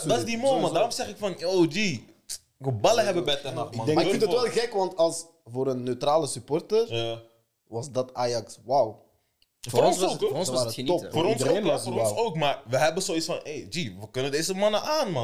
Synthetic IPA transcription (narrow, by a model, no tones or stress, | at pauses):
dɑtɪzdimoːjmadaːɾɔmzɛχɪkfɑnjoːd͡ʒi | ʋəbɑləɦɛbəbɛjtɛnamɑdɛakɪndɔtʋɛlˠɣɛkʋɑntɑlˠs | voːɾənːøtraːləsypɔrtəra | ʋɑzdɑtaːjɑkswaw | foɔnsoknɔfoːɾɔnseɔsoːkmaːrʋəɦɛbənzoːisfɑneːjd͡ʒiʋəkɵnəndeːzəmɑnəʔaːnmɑ